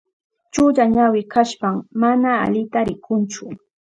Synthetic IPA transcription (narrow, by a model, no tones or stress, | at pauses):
t͡ʃʊʎaɲawɪkaʃpammana̰ːʎɪt̪aɾɪkʰʊnt͡ʃʊ